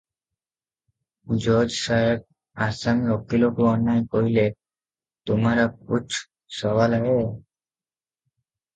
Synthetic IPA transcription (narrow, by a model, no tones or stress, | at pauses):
d͡ʒɔd͡ʒsajek̚ | asamiɔkːilokuɔnːaekɔɦile | t̪omaɾak̚ut͡ʃʰ | sɔwalɛõ